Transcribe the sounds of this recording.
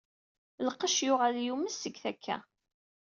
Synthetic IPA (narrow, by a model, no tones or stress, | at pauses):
ləqːəʃjʊʁæljuməsːəɡθækʰːæ̰